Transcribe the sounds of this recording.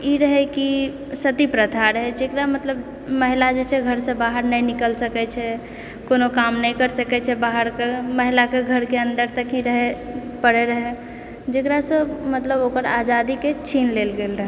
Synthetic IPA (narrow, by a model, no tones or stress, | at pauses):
iɾəɦɛki | sət̪ipɾət̪ʰaɾɦɛd͡ʒekɾamət̪ləb | məɦilad͡ʒet͡ʃʰɛɡʱəɾsə̃baɦəɾnəjnikəlsəkɛt͡ʃʰɛ | konokamnəjkəɾsəkɛt͡ʃʰɛbaɦəɾkeməɦilakeɡʱəɾkeənd̪əɾt̪əkĩɾəɦɛpəɽeɾəɦɛ | d͡ʒekɾasə̃mət̪ləbokəɾad͡ʒad̪iket͡ʃʰinlelɡelɾəɦɛ